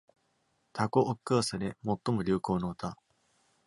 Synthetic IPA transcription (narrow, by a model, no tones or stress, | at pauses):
t̪ʰakoʔokːɯsaɾemo̞t̪ːo̞mo̞ɾʲɨːko̞ːnoːt̪a